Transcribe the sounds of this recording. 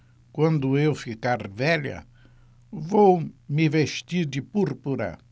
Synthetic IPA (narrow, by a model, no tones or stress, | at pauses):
kwɐ̃nd̪ʊewfikaɾvɛʎɐ̰ | vowmɪveʃt̪iɾd̪ɪpuɾpuɾɐ̰